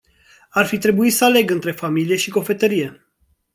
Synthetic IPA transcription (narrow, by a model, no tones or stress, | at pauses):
arfit̪ɾe̞buit̪səale̞ɡɨnt̪ɾe̞familije̞ʃiko̞fe̞t̪əɾije̞